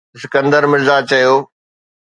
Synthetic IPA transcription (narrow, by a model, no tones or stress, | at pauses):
sɪkə̃nd̪əɾmɪzaːt͡ɕɐjoː